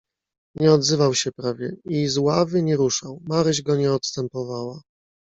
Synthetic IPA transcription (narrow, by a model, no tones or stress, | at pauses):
ɲɛɔd̪zɘvawɕɛpɾavʲjɛizwavɘɲɛɾuʂawmaɾɘʑɡɔɲɛɔt̪st̪ɛmpɔvawa